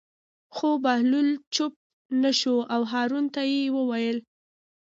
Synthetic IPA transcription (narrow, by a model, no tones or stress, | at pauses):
xobahlult͡ʃʊp̚ | naʃoawɦɑɾunt̪ajewəwajəl